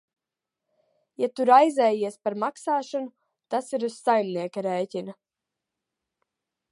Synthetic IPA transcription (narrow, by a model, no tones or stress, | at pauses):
jat̪uɾajzɛːjiɛspaɾmaksaːʃanu | t̪asiɾussajlʲnʲiɛkaɾɛːcina